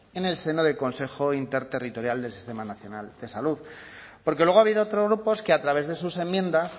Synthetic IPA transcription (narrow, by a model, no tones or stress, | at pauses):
e̞ne̞lse̞no̞ðe̞lko̞nse̞xo̞int̪e̞ɾt̪e̞rit̪o̞ɾjald̪elsi̥st̪e̞manaθjo̞nald̪̥e̞saluð | po̞ɾkelwe̞ɣoaβiðoot̪ɾozɣɾupo̞skeat̪ɾaβ̞e̞zðe̞suse̞mjẽ̞nd̪as